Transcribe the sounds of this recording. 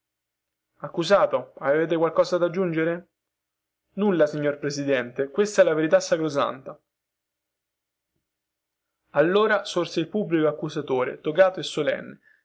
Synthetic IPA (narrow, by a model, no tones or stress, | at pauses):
akːuzaːt̪oaveveːt̪̬ekwalkɔːzad̪ad͡ʒːund͡ʒeɾe | nulːasiɲːorpɾesid̪ɛnt̪ekwest̪aɛlːaveɾit̪̬asːakɾoza̰nt̪a | alːoːɾasorseilpubːlikoakːuzat̪oːɾḛt̪okaːt̪oesːolɛ̰nːe